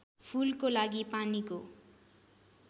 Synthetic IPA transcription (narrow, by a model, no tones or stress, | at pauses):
pʰulkolaɡipaniko